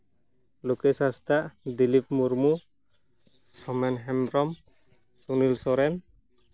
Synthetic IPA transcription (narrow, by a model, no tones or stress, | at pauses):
lokɛsast̪aʔd̪ilip̚muɾmu | sɔmɛnɦɛmbɾɔm | sunilsɔɾɛn